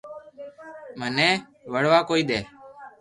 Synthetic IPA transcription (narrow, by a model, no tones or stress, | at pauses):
mənɛ̃ː | ʋəɽʋaːkoːiːɗ̪eː